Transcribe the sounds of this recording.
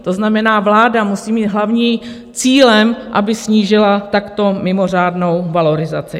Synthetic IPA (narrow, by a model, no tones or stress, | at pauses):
t̪o̞znamɛnaːvlaːdamusiːmiːd̪ɦlavɲiːm | t͡siːlɛmʔabɪsɲiːʒɪlat̪akt̪o̞mɪmo̞r̝aːdno̞wvalo̞ɾɪzat͡sɪ